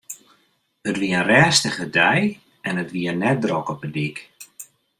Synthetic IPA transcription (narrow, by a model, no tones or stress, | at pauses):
ətʋiəənrɛːstəχədɛj | ɛnətʋiənɛt̚drɔkɔpədik